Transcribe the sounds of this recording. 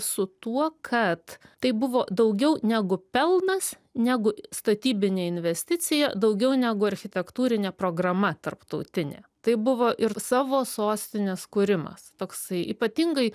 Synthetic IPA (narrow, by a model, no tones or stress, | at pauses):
sʊt̪uɔkʰɐt̪t̪ɐɪbʊʋoːd̪ɐʊɡʲɛʊnʲæːɡʊpʲɛlˠnɐs | nʲæːɡʊst̪ɐt̪ʲiːbʲɪnʲeːɪnʲʋʲɛsʲt̪ʲɪt̪t͡ssʲɪjɛd̪ɐʊɡʲɛʊnʲæːɡʊɐɾʲxʲɪt̪ʲɛkt̪uːɾʲɪnʲeːpɾoːɡɾɐmɐt̪ɐrpt̪ɐʊt̪ʲɪnʲḛːt̪ɐɪbʊʋoːʔɪɾsɑːʋoːsoːsʲt̪ʲɪnʲɛskʊɾʲɪmɐ̰st̪oːksɐɪʔiːpɐt̪ʲɪŋɡɐɪ